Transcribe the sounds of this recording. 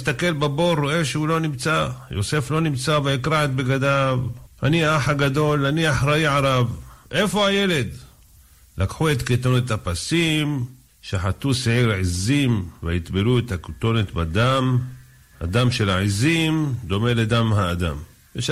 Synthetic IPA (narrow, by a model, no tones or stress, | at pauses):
st̪ake̞lbabo̞ɾoʔe̞ʃehulo̞nimt͡sajo̞̰se̞flo̞nimt͡saveikɾaʕet̪̚beɡad̪avhaniaaħaɡad̪o̞lːaniaħɾaiʕaɾavʔe̞fo̞haje̞le̞d̪ | lakħuet̪kit̪onet̪hapasim | ʃaħat̪useʕiɾʕizimveit̪beluet̪akt̪o̞net̪bad̪am | ha̰d̪amʃelaʕizimd̪o̞me̞led̪amhaːd̪a̰m | veʃ